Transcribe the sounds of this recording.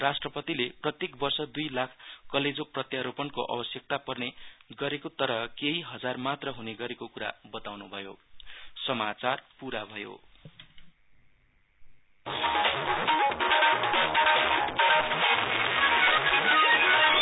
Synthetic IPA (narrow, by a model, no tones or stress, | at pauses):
rasʈrʌpʌt̪ileprʌt̪jekbʌrsʌd̪ujlakʰkʌled͡zoprʌt̪jaɾopʌnkoʔa̰bʌsjʌk̚t̪apʌrneɡʌɾekot̪ʌɾʌkeɦiɦʌd͡zarmat̪rʌɦuneɡʌɾekokuɾa̰bʌt̪awnubʱʌjo̰sʌmat͡sarpuɾabʱʌjo̰